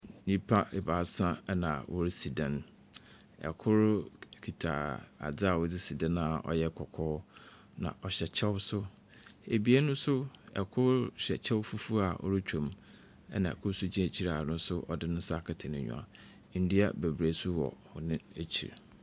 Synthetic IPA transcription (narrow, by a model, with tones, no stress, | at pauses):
ɲĩ˦pʰã˦e˨ba˨sã˦ɛ˦nã˨wʔɔ˦ɾɪ˦si˨dɛ̃˨n | ɛ̰˨kʰʊ˦ɾkʰi˨tʰa̰ː˨a̰˨d͡zɪ˦a˨wɔ˦dɪ˦si˨dɛ̃˦nã˦˨ɔ̰˨jɛ˦kʰɔ˨kʰɔː˦ | nã̰˨ʔɔ˨ɕɛ˨t͡ɕʰɛ˦wsʊ˦ | e˨bi˨˦e˦nʊ̃˦sʊ˦ɛ̰˨kʰʊ˦ɾɕɛ˨t͡ɕʰɛ˦wfu˦fu˦a˨ʔɔ̰˦ɾɪ˦t͡ɕᶣʰõ˨m | ɛ̰˦nã˨ɛ̰˨kʰʊ˦ɾsʊ˦d͡ʑĩ˦e˨t͡ɕʰi˦ɾa˨nʊ̃˦sʊ˦ʔɔ˨dɪ˦nʊ̃˦sa˦˨kʰɪ˨tʰɪ˨nɪ̃˨ɲᶣṵ̃˨a̰˨˦ | n̩˦di˦a˦be˨bɾe˨˦sʊ˦wɔ̰˨hʊ˨nɪ̃˦e˦t͡ɕʰḭ˨ɾ